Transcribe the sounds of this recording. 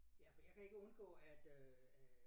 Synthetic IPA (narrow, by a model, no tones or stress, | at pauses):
jæfɒjɑ̈ɪkʰæe̝ɡ̥əɔ̽nɡ̥ɔ̰̽ːæd̥øæ